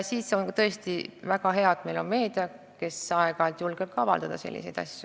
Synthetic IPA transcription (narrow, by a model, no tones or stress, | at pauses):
siːt̪seonkɑt̪ɤe̞st̪ivæɡɑɦe̞ɑd̪̥me̞jlo̞nme̞ːd̪̥iɑ | ke̞sɑeɡ̥ɑlt̪julɡ̥eb̥̚kɑɑvɑ̰ld̪ɑd̪̥ɑsḛlːḭsejd̪̥ɑ̰sʲju